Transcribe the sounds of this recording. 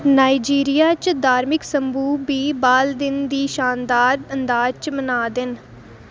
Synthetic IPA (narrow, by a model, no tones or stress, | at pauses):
naːid͡ʒiːɾijaːt͡ʃd̪ʱaːɾmɪksəmbuːbiːbaːld̪ɪnd̪iːʃaːnd̪aːɾənd̪aːd͡ʒt͡ʃmənaːd̪ɪn